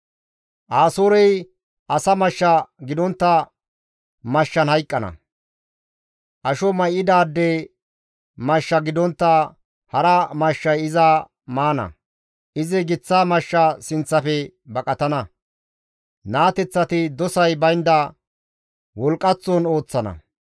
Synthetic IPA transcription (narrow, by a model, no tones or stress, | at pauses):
ʔaːsoːɾɛj | ʔɐsɐmɐʃːɐɡɪd̪ɔnt̪ːɐ | mɐʃːɐnhɐjkʼːɐnɐ̰ | ʔɐʃɔmɐjʔɪd̪aːd̪ːɛ | mɐʃːɐɡɪd̪ɔnt̪ːɐ | hɐɾɐmɐʃːɐjɪza | maːnɐ̰ | ʔɪzɛɡɪt͡sːaːmɐʃːɐsɪnt͡sːɐfɛ | bɐkʼɐt̪ɐnɐ | naːt̪ɛt͡sːɐt̪ɪd̪ɔsɐjbɐjnd̪ɐ | wɔlkʼːɐt͡sːoːno̞ːt͡sːɐnɐ̰